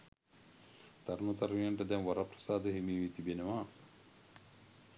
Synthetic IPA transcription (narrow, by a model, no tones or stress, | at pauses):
t̪aɾunut̪aɾmijəɳʈəd̪ɛnʋaɾaprə̥saːd̪əɦemiːʋit̪ibenəʋa